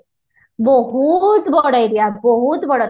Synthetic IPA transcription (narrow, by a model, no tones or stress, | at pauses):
bəɦut̪bəɽajɾjabəɦut̪bəɽət̪